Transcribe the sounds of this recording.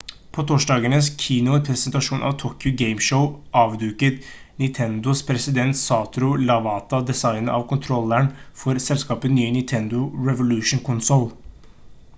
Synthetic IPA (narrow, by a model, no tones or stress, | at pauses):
pʰoːt̪ʰoːʂɖɑːɡənəskʰiːnʊpʰɾɛsənt̪ɑʂuːnʔɑ̰ʋt̪ʰoːkjʊɡeɪmʂəʊʔɑːʋd̪ʉːkət̪ | nɪnt̪ʰɛnd̪ʊspʰɾɛsɪd̪ɛnt̪sɑːt̪ɾʊlɑʋɑːt̪ɑd̪ɛsɑɪnəɑʋkʊnt̪ʰɾɔlːæɳfɔɾsɛlskɑːpənyːənɪnt̪ʰɛnd̪ʊɹɛʋʊlʉːʂn̩kʰʊnsɔl